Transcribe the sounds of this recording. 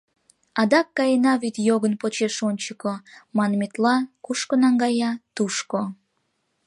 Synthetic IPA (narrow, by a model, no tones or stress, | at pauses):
ɑd̪ɑkːɑjenɑvit̪joɣənpot͡ɕeʃonʲt͡ɕəkomɑnmet̪lɑkuʃkonɑŋɡɑjɑt̪uʃko